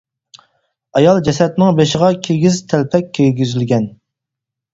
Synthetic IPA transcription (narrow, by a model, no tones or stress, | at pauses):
ɑjɑlˠd͡ʒɛsɛt̪nɪŋbeʃɪʁɑkʲʰeɡʲizt̪ʰælpʰɛkʲʰːɛlɡʲyzylɡʲɛn